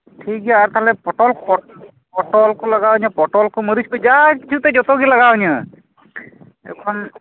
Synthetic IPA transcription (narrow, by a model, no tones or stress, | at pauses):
ʈʰik̚ɡaːɾt̪aɦlɛpɔʈɔlpɔ | pɔʈɔlkɔlaɡaɲəpɔʈɔlkɔməɾiskɔd͡ʒakit͡ʃʰut̪ɛd͡ʒɔt̪ɔkilaɡaɲɔ | ɛ̰wkʰɔn